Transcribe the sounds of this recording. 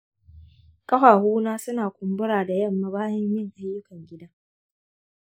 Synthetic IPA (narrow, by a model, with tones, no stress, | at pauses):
kɐ˦haː˨huː˦naː˦sʊ˦naː˨kʷʊ˨mbʊ˦ɽaː˨da˨jɐ˦˨mːa˦baː˦jɐ˦mjɪ˦˨ŋʔa˨jːʊ˦kɐ˨ŋɡʲɪ˦daː˦